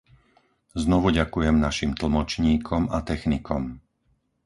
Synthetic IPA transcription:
znɔʋuɟakujɛmnaʃimt̪l̩mɔt͡ʃɲiːkʰɔmat̪ɛxnikɔm

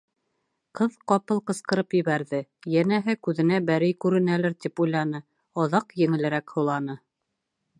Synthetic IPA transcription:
qʰɤðqɑpɤlˠqɤ̆sqɤ̆ɾɤpjɘ̆βæɾðɘjænæɦɘkʉðɘ̆næbæɾɘjkʉɾɘ̆nælɘɾt̪ipujlˠɑnɤ | ɑðɑqjɘ̆ŋɘ̆lɘ̆ɾækhŏlˠɑnɤ

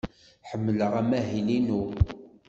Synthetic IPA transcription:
ħəmːələʁæmæɦilinu

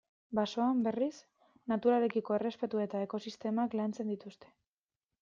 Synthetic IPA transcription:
baso̞ambe̞ris | nat̪uɾale̞kiko̞e̞re̞spe̞t̪ue̞t̪ae̞ko̞sist̪e̞maklant͡se̞nd̪it̪ust̪e̞̥

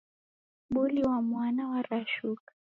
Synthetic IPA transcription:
ɓuliwamwanawaɾaʃukḁ

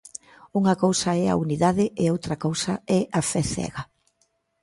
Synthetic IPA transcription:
uŋɐkowsɐɛa̰uniðaðɪɪowt̪ɾɐkowsɐɛʔafɛθɛ̰ɣa

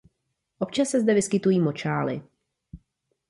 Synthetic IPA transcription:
ʔo̞pt͡ʃasːɛzdɛvɪskɪt̪ujiːmo̞t͡ʃaːlɪ̰

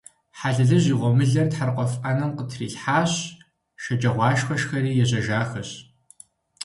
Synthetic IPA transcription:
ħaɮɨɮɨʑiːʁʷɔmɨɮɐrtħarqʷɔfanɐmqətʰriːɬħaːɕ | ʃɐd͡ʒʼɐʁʷɑːʃxɐʃxɐɾiːjɛʑɐʒaːxɐɕ

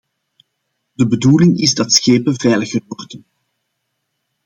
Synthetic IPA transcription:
dəbəduːlɪŋɪzdɑtsxeːpəvɛjləɣərwɔrdən

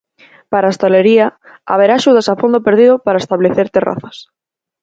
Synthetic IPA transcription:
paɾaest̪aleɾia | a̰β̞eɾaːʃuð̞asafond̪opeɾðiðopaɾaest̪aβleθeɾt̪era̰θas

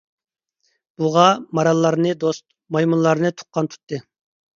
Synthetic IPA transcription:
b̥uʁɑmɑɾɑlˠːɑɾnɨd̪ost̪̚ | mɑjmunlˠɑɾnɨt̪ʰʊ̥qːɑnt̪ʰu̥t̪ʰːɨ

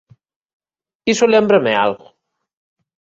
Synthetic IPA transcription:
kisolɛmbɾəmea̰lɣo

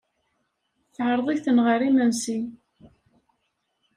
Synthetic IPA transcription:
θʕəɾˤðˤiθənʁəɾimənsi

